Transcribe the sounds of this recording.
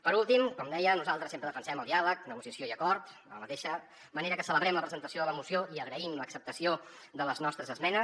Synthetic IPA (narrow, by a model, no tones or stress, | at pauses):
pəɾulˠt̪imkɔmd̪ɛjənuzalˠt̪ɾəsempɾəðəfənsɛməlˠd̪ialəknəɣusiəsioiəkɔɾt̪ələmət̪eʃə | məneɾəkəsələβɾɛmləpɾəzənt̪əsioðələmusioiəɣɾəimləksəp̚t̪əsio | ðələznɔst̪ɾəzəzmɛnə